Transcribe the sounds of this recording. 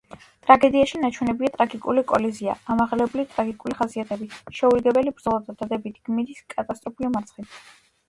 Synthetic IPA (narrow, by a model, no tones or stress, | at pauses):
t̪ʼɾaɡɛd̪iaʃinat͡ʃʰwɛnɛbiat̪ʼɾaɡikʼulikʼɔlɛziaamaʁlɛblit̪ʼɾaɡikʼuliχasiat̪ʰɛbiʃɛuliɡɛbɛlibɾd̪zɔlˠad̪ad̪ad̪ɛbit̪ʰɡ̥miɾiskʼat̪ʼast̪ʼɾɔpʰiɔmaɾt̪sʰχi